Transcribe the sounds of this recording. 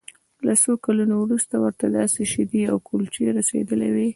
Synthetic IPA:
lasokalunowɾust̪awəɾt̪ad̪ɑseʃɪd̪iawkʰult͡ʃeɾasḛd̪əlewi

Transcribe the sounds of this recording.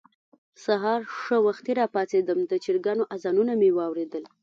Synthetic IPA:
saɦɑɾʂəwaxt̪eɾɑpɑsed̪əmd̪ət͡ʃiɾɡɑnoʔazɑnunamewɑwɾed̪əl

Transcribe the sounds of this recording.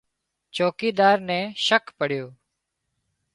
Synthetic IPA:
t͡ʃoːkiːd̪aːɾnɛ̃ːʃəkpəɽ̤joː

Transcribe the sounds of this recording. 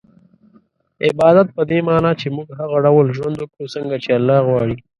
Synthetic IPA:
ɪbɑːd̪at̪̚pəd̪emɑːnɑt͡ʃemuɡɦaɣaɖawlʒwand̪ʊkɽusəŋɡat͡ʃealːɑɣwɑɽi

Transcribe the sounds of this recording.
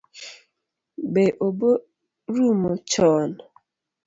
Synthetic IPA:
beʔobo | ɾumot͡ʃɔn

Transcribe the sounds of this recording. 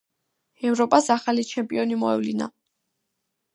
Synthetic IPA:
ɛvɾɔpʼasaχalit͡ʃʰɛmpʼiɔnimɔɛ̰vlina̰

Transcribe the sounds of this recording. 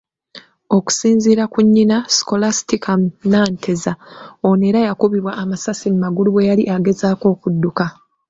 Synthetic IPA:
o̞ku̥siːnziːɾakuɲːinasi̥ko̞lastikʰamnaːntʰezaone̞ːɾajakuβiβwaʔːmasasimmaɡuluβwe̞jaliʔaɡe̞zaːko̞ːkudːuka

